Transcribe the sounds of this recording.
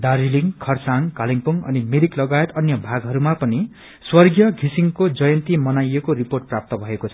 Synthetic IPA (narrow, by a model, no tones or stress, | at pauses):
d̪aɾiliŋkʰʌrsaŋkaliŋpuŋʌ̰nimeɾiklʌɡajet̪ʌnjʌbʱaɡɦʌɾumapʌni | swʌrɡjʌɡʱisiŋkod͡zʌjʌnt̪imʌnajekoɾiporʈ̚prap̚t̪ʌbʱʌekot͡sʰʌ